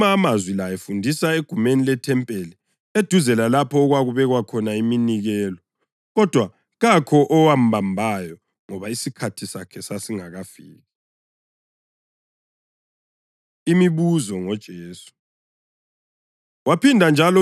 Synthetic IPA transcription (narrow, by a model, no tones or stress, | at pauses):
aːmazwilajefundʱisaeɡ̥ʱumenilɛtʰɛmpʼeli | ed̥ʱuzɛlalapʰɔːɣwaɣuβɛɣwakʰɔnaiminiɣɛlɔ | ɣɔd̥ʱwa | ɣakʰɔʔɔwam̩bʱambʱajɔ | ŋɔβaisikʰatʰisakʰɛsasiŋaɣafiːɣɛ | imiβuzɔŋɔd̥ʒ̥ʱeːsu̥ | wapʰindʱand͡ʒʱalɔ